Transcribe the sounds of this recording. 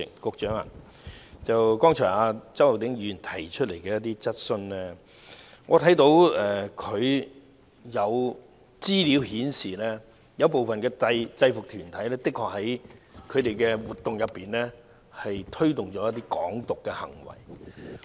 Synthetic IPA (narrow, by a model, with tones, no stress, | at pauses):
ɪ˨kʊ˨˧k̚t͡ʃœː˨˥ŋa̰˨ | t͡sɐ˨wkɔː˥ŋt͡ʃʰɔː˨˩ŋaː˧t͡sɐ˥wa˨˩t̪ɪ˨˥ŋjyː˨˧˩nt̪ʰɐ˨˩jt͡ʃʰt̚le˨˩jkɛː˧jɐ˥t̪̬ːiː˥t͡sɐ˥t̚sɵ˧nlɛː˥ | ŋʔɔː˨˧t̪ʰɐ˨˥jt̪o˨˥wɛ˨kʰɵ˨˧ɥ | jɐ˨˧w | t͡siː˥liː˨˧˥whiː˨˥nsiː˨lɛː˥ | jɐ˨˧wp̬o˨wfɐ˨nkɛː˧tɐ˧jt͡sɐ˧jfʊ˨k̚t̪ʰyː˨˩nt̪ʰɐ˨˥jlɛː˥t̪ɪ˥kʰɔː˨˥k̚hɐ˨˥jkʰɵ˨˧ɥt̪e˨jkɛː˧wuː˨˩t̪ːʊ˨ŋjɐ˨pːiː˨nlɛ˥ | hɐ˨jt̪ʰɵ˥ɥt̪ʊ˨ŋt͡ʃɔː˨˥jt̪iː˥kɔː˨˥ŋt̪ʊ˨kːɛː˧hɐ̰˨˩ŋwɐ̰˨˩j